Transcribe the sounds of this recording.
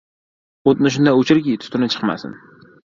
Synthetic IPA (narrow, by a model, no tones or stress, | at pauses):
ot̪̚nɪʃ̬ʊnd̪ajot͡ʃʰɪɾɡʲit̪ʰʊ̥t̪ʰɪnɪt͡ʃʰɨ̥qma̰sɪ̰n